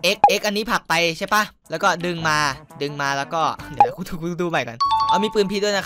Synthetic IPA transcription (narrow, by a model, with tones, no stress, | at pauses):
ʔe˦˥k̚ʔe˦˥k̚ʔa˧nːiː˦˥pʰa˨˩k̚pa˧jt͡ɕʰa˥˩jpa˦˥˩lɛː˦˥wkɔː˥˩dɯ˧ŋmaː˧dɯ˧ŋmaː˧lɛː˦˥wkɔː˥˩i˨˩na˦˥ku˧˦t̪ʰuː˨˩˧duː˧ma˨˩jka̰˧nʔa˧˩miː˧pɯː˧˩npʰi˦˥du˥˩əjna˦˥